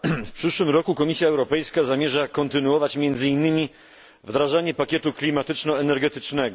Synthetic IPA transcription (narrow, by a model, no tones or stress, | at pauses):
fpʂɘʂwɘmɾɔkukɔmʲisʲjaɛwɾɔpɛjskazamʲjɛʐakɔnt̪ɘnuɔvat͡ɕmʲjɛnd̪zɘinːɘmʲi | vd̪ɾaʐaɲɛpakʲɛt̪uklʲimat̪ɘt͡ʂnɔɛnɛɾɡɛt̪ɘt͡ʂnɛɡɔ